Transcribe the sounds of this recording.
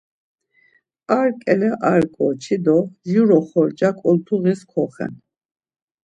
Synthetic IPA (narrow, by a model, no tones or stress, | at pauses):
aɾkʼɛlɛʔaɾkʼɔt͡ʃʰid̪ɔzjuɾɔχɔɾd͡ʒakʼɔlt̪ʰuɣiskʰɔχɛ̰n